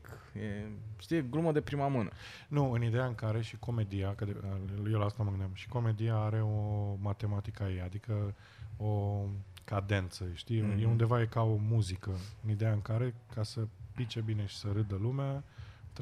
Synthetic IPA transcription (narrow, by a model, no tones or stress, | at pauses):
k | jeʃt̪ijeɡluməd̪e̞pɾimamɨnə̰ | nuɨnid̪ejaɨŋkaɾe̞ʃiko̞me̞d̪ijakəd̪ejelaast̪aməɡɨnd̪jamʃi̥ko̞me̞d̪ijaaɾe̞o̞mat̪e̞mat̪ikəajejad̪ikə | o̞kad̪e̞nt̪səʃt̪ijeund̪e̞vaje̞kao̞muzikəɨnid̪ejaɨŋkaɾe̞kasəpit͡ʃe̞bine̞ʃi̥səɾɨd̪əlumeat̪